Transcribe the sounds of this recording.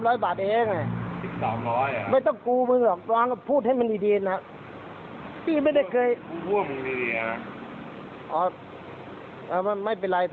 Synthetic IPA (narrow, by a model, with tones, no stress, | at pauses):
mɾɔː˦˥jbaː˨˩t̪̚ʔa˨˧˩hɛː˧˥˩ŋa˧˩si˨˩p̚saː˨˩˦mɾɔː˦˥jʔa˨˧ma˧˥˩jt̪ɔ˥˩ŋkuː˧mɯ˧ŋdɔː˨˩k̚waː˧˥ŋa˧˩pʰuː˥˩t̪̚ha˥˩jma˧ndiː˧˩diː˧na˦˧˥ | t̪iː˧˩ma˥˩jda˥˩kʰɤː˧jku˧˥˩əmɯ˧di˧diː˨˧a˨˧ | ʔɔː˨˧˦ | ʔaː˧˩ma˧˥˩nma˥˩jp̬e˧nɾa˧jt̪ʰ